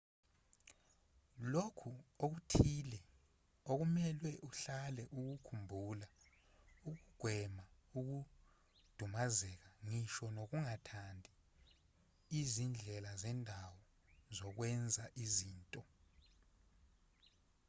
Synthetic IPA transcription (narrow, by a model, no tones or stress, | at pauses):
lokʰuok̬utʰilɛ | ok̬umɛlwɛʔuɬalɛʔuk̬ukʰumbʱula | uk̬uɡ̥ʱwɛmauk̬u | d̥ʱumazɛk̬aŋiʃɔnok̬uŋatʰandʱi | izind͡ɮʱɛlazɛndʱawɔ | zɔk̬wɛnd͡zʱaʔiziːntʼɔ